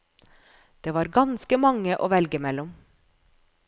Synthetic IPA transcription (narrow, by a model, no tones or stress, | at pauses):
d̪̥eːʋɑːɾɡɑnskəmɑŋəʔoːʋɛlɡəmɛlɔm